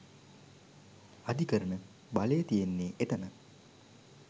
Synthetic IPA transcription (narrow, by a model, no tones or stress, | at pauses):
ad̪ikəɾənə | balejət̪ijenːeːʔet̪ənə